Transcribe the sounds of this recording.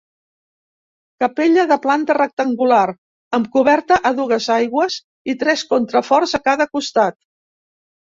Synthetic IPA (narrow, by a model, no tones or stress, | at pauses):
kəpeʎəðəplant̪ərək̚t̪əŋɡulaɾ | əmkuβɛɾt̪əʔəðuɣəzajɣwəz | it̪ɾɛskont̪ɾəfɔɾzəkaðəkust̪at̪̚